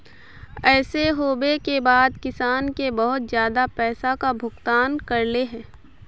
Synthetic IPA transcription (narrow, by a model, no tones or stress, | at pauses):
ɛːseɦoːbekebaːd̪kɪsaːnkebɐɦʊt̪zjaːd̪apɛːsakabʱʊɡt̪aːnkɐɾleɦɛ̃ː